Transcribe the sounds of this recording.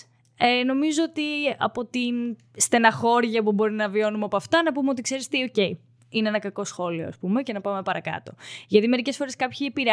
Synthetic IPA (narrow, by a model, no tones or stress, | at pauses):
eno̞mizoot̪iɐ̰po̞t̪in | st̪e̞nɐxo̞ɾʝɐpubo̞ɾinɐvio̞numeopoɐft̪ɐnɐpumeo̞t̪ikse̞ɾist̪iio̞ce̞i | ineenɐkɐko̞sxo̞lio̰ɐ̰spumece̞nɐpɐme̞pɐɾɐkɐ̰t̪o̞̰ʝɐt̪ime̞ɾice̞sfo̞ɾeskɐpçiepiɾe